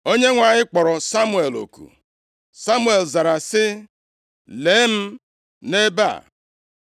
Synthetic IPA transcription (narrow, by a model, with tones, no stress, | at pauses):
o˦ɲe˦ŋʷa˨ɲɪ˦k͡pɔ˨ɾɔ˨sa˦mu˨˦e˨lo̰˨kṵ˨ | sa˦mu˦e˨lza˨ɾa˨sɪ˦ | leː˨˦m̩˦ | ne˦ba̰˦˨